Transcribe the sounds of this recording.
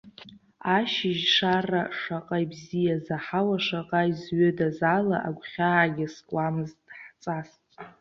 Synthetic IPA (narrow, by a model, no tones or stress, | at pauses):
aʃɪʒʂaraʂaqʼajbzijazaħawaʂaqʼaizɥʏdazala̰ʔaɡʷχʲaɡʲaskʼʷamɨztʼħt͡sʼas